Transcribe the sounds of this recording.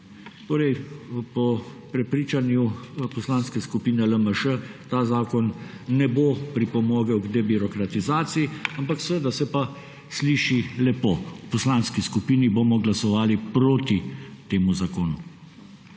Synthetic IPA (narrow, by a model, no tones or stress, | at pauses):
t̪oːɾɛjpɔpɾɛpɾiːt͡ʃanjupɔslaːnskɛskupiːnɛləməʃət̪aːzaːkɔnː | ɛbopɾipɔmoːɡəwɡd̪ebiɾɔkɾat̪izaːt̪siiampaksəʋəd̪asɛpa | sliːʃilɛpoːupɔslaːnskiskupiːniboːmɔɡlasɔʋaːlipɾoːt̪it̪eːmuzakoːnu